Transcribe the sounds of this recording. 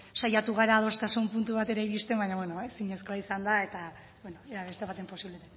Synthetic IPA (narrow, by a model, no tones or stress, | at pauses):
sajat̪uɣ̞aɾaðo̞est̪asumpunt̪uβat̪e̞ɾaiɾist̪e̞mbaɲaβweno̞esiɲe̞sko̞aisand̪ae̞t̪a | βweno̞eaβe̞st̪e̞βat̪e̞mpo̞siβlet̪e